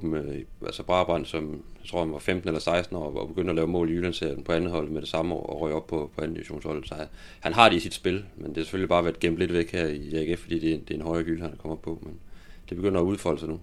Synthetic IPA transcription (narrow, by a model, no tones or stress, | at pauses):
bm̩ʔælsəb̥ʁɑ̈b̥ʁɑn̰d̥sɒ̽mjt͡sʰʁo̝ɐ̰hænʋɑ̈femd̥n̩elɐsɑ̈ɪsd̥n̩ɒ̰ɒb̥e̝ɡ̥øn̰d̥ɒlɛːʊmɔ̰ːliylænsḛɐ̰d̥n̩pʰɒ̽ænð̩ˠhɒ̽l̰̩med̥e̝sɑ̈məɒ̰ːɒʁœɪ̰ɒ̽b̥̚pʰɒ̽pʰɒ̽æn̩d̥iʋiɕo̝̰ːnshɒ̽lð̩ˠsɒ | hænɦɑ̈ɾ̥e̝isid̥sb̥e̝lmend̥e̝æse̥følib̥ɑ̈ːʋæɐd̥̚ɡ̥em̰b̥le̝d̥ʋeɡ̥heɐ̰iæɡ̥efɒ̽d̥ḭːd̥e̝d̥eenɦɒ̽ɪɐɡyləhænkʰɒ̽m̰ɒpʰɒ̽mend̥eb̥e̝ɡ̥øn̰ɐɒuð̞ˠfɒl̰əsɑ̈ɪnu